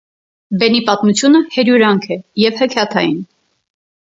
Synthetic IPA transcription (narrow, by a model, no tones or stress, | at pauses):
bɛnipɑt̪mut͡sʰjunəhɛɾjuɾɑŋkʰɛjɛvhəkʰjɑt̪ʰɑ̰jḭn